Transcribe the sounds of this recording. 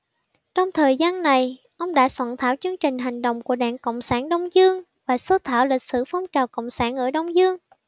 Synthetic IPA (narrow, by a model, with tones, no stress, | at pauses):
t͡ɕɔ˧wŋ͡mt̪ʰəː˨˩jzaː˧nːa˨˩j | ʔə˧wŋ͡mɗa̰ː˧˥swaː˧˩nt̪ʰaː˧˥wt͡ɕɨ˧əŋt͡ɕï˨˩ŋ̟ɦa˨˩jŋ̟ɗə̰˧˨wŋ͡mku˧˩əɗa̰ː˧˨ŋkə̰˧˨wŋ͡msaː˧˩nɗə˧wŋ͡mzɨ˧əŋ | vaː˨˩so˧˦t̪ʰaː˧˩wlï˨˩k̚sɨ̰˧˥fɔ˧wŋ͡mt͡ɕaː˨˩kə̰˧˨wŋ͡msaː˧˩nʔəː˧˩ɗə˧wŋ͡mzɨ˧əŋ